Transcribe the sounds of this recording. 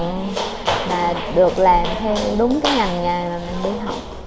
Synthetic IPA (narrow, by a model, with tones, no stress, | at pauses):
ŋ | maː˨˩ɗɨ˨˩ək̚laː˨˩mt̪ʰɛ˧wɗʊ˨˦ŋ͡mkaː˨˦jŋa˨˩ŋŋa˨˩jmaː˨˩mï˨˩nɓi˧ɦha˨˩wk͡p̚